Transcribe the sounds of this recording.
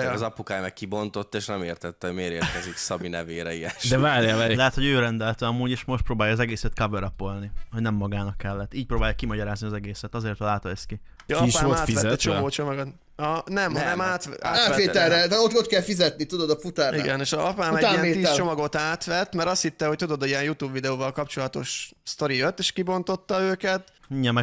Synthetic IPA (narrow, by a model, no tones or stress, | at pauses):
zɒpukaːjmɛkkibo̞nt̪o̞t̪ːeːʃnɛmeːrt̪ɛt̪ːɛoɟmeːɾeːkɛziksɒbinɛveːɾɛiɛʃdd̪ɛvaːɾjalɛɦɛt̪hoɟøːɾɛnd̪ɛlt̪øɒmuːɟeːʃmo̞ʃt̪proːbaːjɒːzɛɡeːsɛt̪kɒvɛɾɒpolnihoɟnɛmːɒɡaːnɒkːɛlːɛt̪ːiːc̚pɾoːbaːjɒkːimɒɟɒɾaːzniɒzɛɡeːsɛt̪ɒzeːrt̪ɒlaːt̪oɛski | kːʃoaːfizɛt͡ʃomoːt͡ʃomɒɡot̪ | ɒnɛmɒnɛmaːt̪a̰ːaːt̪ʋeːɛɛt̪ot̪ot̪kɛlfizɛt̪nit̪ud̪od̪ɒfut̪aːiɡɛneːʃɒzɒpaːmɛɟ̪iɛniːst͡ʃt͡ʃo̞mɒɡo̞t̪aːt̪ʋɛt̪ːmɛɾɒst̪hit̪ːɛho̞c̚t̪ud̪o̞d̪iɛnjut̪uːbvid̪ɛoːvɒlkɒpt͡ʃo̞lɒt̪o̞̰ʃst̪o̞ɾijøt̪ːeːʃkibo̞nt̪o̞t̪ːɒøːkɛt̪iɲːɛmːɛ